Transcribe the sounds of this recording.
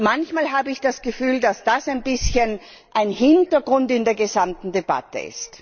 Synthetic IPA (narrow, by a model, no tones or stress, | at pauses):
mançmaːlɦaːbəɪçd̥asɡ̥əfyːldasd̥asaɪnbɪsçən | ʔaɪnhɪntɐɡʁʊntɪndeːɐɡəzamtn̩deba̰tə̰ɪ̰st